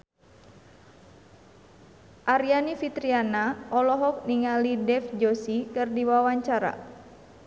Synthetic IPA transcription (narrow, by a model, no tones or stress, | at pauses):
ʔaɾianifit̪ɾianaʔɔlɔɦɔk̚niŋalidɛfd͡ʒɔsikɨrdiwawaɲt͡ʃaɾa̰